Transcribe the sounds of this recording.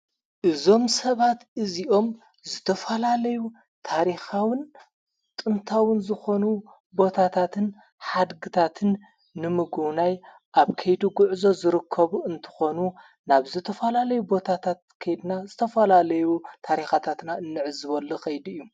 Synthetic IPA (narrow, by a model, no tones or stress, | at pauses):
ʔɨzo̞msɐβat̪ɨziʔo̞m | zɨt̪ʰɐfɐlalɐju | t̪ʰaɾixawɨn | t̪ʼɨnt̪ʰawɨnzɨxo̞nu | bo̞t̪ʰat̪ʰat̪ʰɨn | ħad̪ɡɨt̪ʰat̪ʰɨnː | ɨmɨɡuwnaj | ʔaβkʰɐjd̪uɡʊʕzo̞zɨɾɨkʰːɐβuɨnt̪ʰɨ̥xo̞nu | naβzɨt̪ʰɐfɐlalɐjubo̞t̪ʰat̪ʰat̪̚kʰɐjd̪nazɨt̪ʰɐfɐlalɐjut̪ʰaɾixat̪ʰat̪naɨnːɨʕɨzɨβɐlːoxɐjd̪ɨjːu